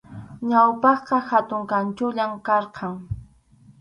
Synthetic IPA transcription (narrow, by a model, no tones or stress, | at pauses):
ɲawpɑχqɑhat̪ʊŋkant͡ʃʊʎamkɑɾqʰɑŋ